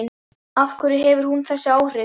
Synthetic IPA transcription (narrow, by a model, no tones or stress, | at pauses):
n | afkʰvʏɾɪɦɛvʏɾ̥hunθɛsːɪaːwr̥ɪ